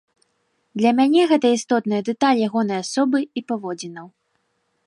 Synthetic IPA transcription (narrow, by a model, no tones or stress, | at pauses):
d̪lʲɐmʲanʲɛɣɛt̪ɐist̪ɔt̪nɨjɐd̪ɛt̪alʲjaɣɔn̪ɐjasɔbɨipavɔd͡zʲinɐw